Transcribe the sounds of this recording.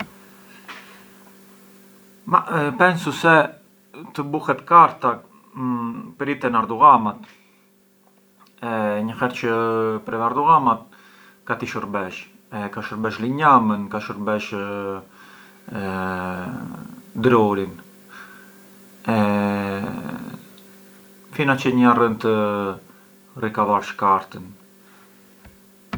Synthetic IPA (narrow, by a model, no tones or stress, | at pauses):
mapɛnsusɛ | t̪əbuhɛt̪kaɾt̪a | pəɾit̪ɛnaɾd̪uɣamat̪ | ɛɲəhɛɾt͡ʃəpɾɛaɾd̪uɣamat̪̚ | kat̪iʃəɾbɛʃɛkaʃəɾbɛʃliɲamənkaʃəɾbɛʃ | d̪ɾɔɾin | ɛ | finat͡ʃəɲarənt̪ə | rikavaɾʃkaɾt̪ən